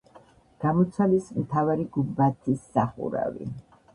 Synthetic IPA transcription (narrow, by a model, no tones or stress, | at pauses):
ɡ̥amɔt̪sʰalismt̪ʰavaɾiɡubat̪ʰisːaχṵɾa̰vḭ